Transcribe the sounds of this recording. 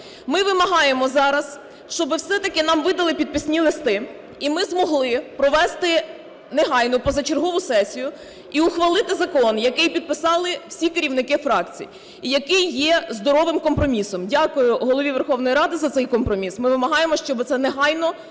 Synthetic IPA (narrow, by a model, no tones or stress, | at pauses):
mɪʋɪmɐɦɑjemɔzɑɾɐs | ʃt͡ʃɔbɪwsɛt̪ɐkɪnɑmʋɪd̪ɐlˠɪpʲid̪̚pɪsʲnʲilˠɪst̪ɪ | imɪzmɔɦlˠɪpɾɔʋɛst̪ɪ | neɦɑjnʊpɔzɐt͡ʃerɦɔʋʊsɛsʲijʊ | iuxʋɐlˠɪt̪ɪzɐkɔnjɐkɪjpʲid̪̚pɪsɑlˠɪwsʲikeɾʲiwnɪkɪfɾɑkt͡sʲḭj | jɐkɪjːɛzd̪ɔɾɔʋɪmkɔmpɾɔmʲisɔmdʲakʊjʊɦɔlˠɔʋʲiʋerxɔwnɔjɾɑd̪ɪzɐt̪ɛjkɔmpɾɔmʲismɪʋɪmɐɦɑjemɔʃt͡ʃɔbɪt̪sɛneɦɑjnɔ